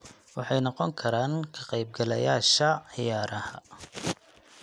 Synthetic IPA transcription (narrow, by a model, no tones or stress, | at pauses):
wɑħɑjnɔqɔŋkʰɐɾaːnkʰɐqɑjb̚ɡɐlɐjaːʃɐʕɪjaːɾɐhɐ̰